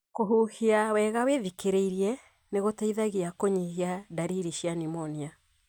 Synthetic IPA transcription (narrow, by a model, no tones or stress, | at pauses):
koɦuhiawɛːɣaweðikeɾeiɾiɛ | neɣotaiðaɣiakoɲihiadaɾiɾiʃianimɔnia